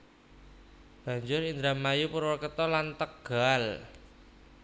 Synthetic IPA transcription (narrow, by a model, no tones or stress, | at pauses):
b̥a̤ɲd͡ʒʊɾind̪ɾamːajupuɾwɔrkət̪ɔlant̪əkɡ̥al